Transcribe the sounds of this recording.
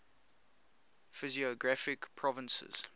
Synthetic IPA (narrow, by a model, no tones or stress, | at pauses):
fɪziəɡɹafɪkpʰɹɔvə̃nsə̰z̥